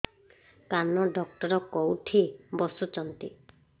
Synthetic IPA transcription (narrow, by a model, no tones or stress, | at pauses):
kanɔɖɔk̚ʈɔɾɔkɔwʈʰibɔsut͡ʃɔnt̪i